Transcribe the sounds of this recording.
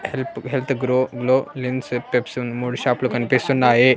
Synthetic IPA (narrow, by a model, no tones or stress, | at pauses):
helpɦelt̪ɡɾoɡlolinspepsunmuɽɕaplukənpesunːaɦe